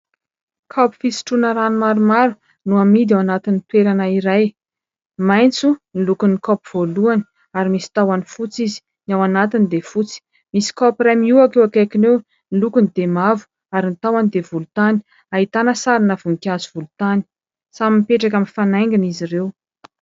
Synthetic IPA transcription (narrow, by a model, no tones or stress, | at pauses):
kʰapi̥fisi̥ʈ͡ʂunəɾanumaɾumaɾu | nuamid̪awanat̪int̪weɾanəiɾaj | majnt͡sunilukunikɔpiv̥oluani̥ | aɾimisi̥t̪awanifut͡sizi̥ | nawanat̪inid̪efut͡si̥ | misi̥kɔpiɾamiuakewakajkinew | nilukunid̪emavu̥ | aɾinit̪awanid̪evulut̪ani̥ | aɦit̪anəsaɾinəvuŋkʲazivulut̪ani̥ | samimpeʈ͡ʂak̬aminfanajŋɡiniziɾew